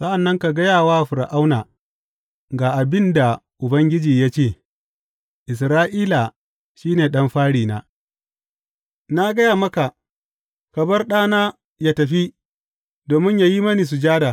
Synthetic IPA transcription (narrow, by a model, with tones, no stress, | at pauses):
sɐ˦ʔa˨nːɐ˦ŋka˨ɡɐ˦jaː˨waː˦ɸʊ˨ɾa̰˨ʔa˦wnaː˨ | ɡaː˨ʔa˨bɪ˦nda˨ʔʊ˨bɐ˦ŋɡʲɪ˦d͡ʒiː˨ja˦t͡ʃeː˦˨ | ʔɪ˨s̬ɾaː˦ʔiː˦la˨ | ʃiː˦neː˨ɗɐ˦mɸaː˦ɽiː˨na̰ː˦ | na˦ɡɐ˦jaː˨mɐ˦ka˨ | kɐ˨bɐ˦rɗaː˦naː˦ | ja˦tɐ˨ɸi˦ | doː˨mɪ˦ɲja˨ji˦mɐ˦niː˨s̬u˨d͡ʒaː˦daː˨